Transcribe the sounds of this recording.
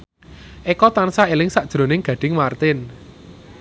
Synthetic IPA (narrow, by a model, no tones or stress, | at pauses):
ʔekɔt̪ansaelɪŋsaʔd̥ʒ̥ɾo̤nɪŋɡ̥ä̤ɖ̥ɪ̤ŋmart̪ɪn